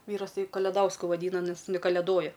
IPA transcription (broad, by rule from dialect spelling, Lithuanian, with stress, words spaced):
ˈʋʲiːrɐs ˈtɐɪ kɐlʲɛˈdɐʊskʊ ʋɐˈdʲiːnɐ nʲɛs ɪn kɐlʲɛˈdoːjɛ